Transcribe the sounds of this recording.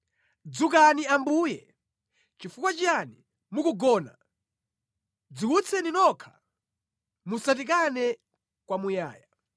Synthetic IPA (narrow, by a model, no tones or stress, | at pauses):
d͡zuk̬aniambuːjɛ̰ | t͡ʃifukwat͡ʃiani | mukuɡɔːna̰ | d͡zukut͡sʰɛninɔkʰḁ | musat̬ik̬anɛ | kwamuja̰ːja